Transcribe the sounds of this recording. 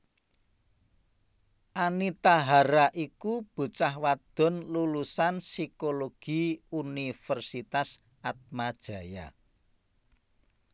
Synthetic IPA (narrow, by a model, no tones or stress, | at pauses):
ʔanit̪aɦaɾaʔikub̥ṳt͡ʃahwad̪̥ɔ̤nlulusansikoloɡ̥i̤unifərsit̪as | at̪̚mad̥ʒ̥a̤ja̰